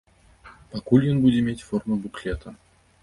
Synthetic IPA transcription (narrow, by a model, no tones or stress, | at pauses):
pakulʲjənbudʲimʲetʲformubuklʲet̪ʰə